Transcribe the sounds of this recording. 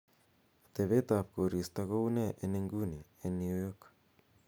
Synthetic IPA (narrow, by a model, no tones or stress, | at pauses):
t̪eβet̪ap̚koɾist̪akouneʔeneŋɡuneenːiujok